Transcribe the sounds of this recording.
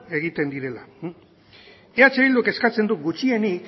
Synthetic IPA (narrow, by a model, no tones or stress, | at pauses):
e̞ɣ̞it̪e̞nd̪iɾe̞la | eat͡seβild̪uke̞skat͡se̞nd̪uk̚ɡut͡ʃie̞nik